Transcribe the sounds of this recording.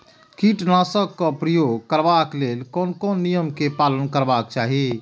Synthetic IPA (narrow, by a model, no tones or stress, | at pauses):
kiʈnãsəɡkɔpɾəjoɡkəɾbaklelkɔːnkɔnːijəmkepaːlənkəɾbakt͡ʃaːɦi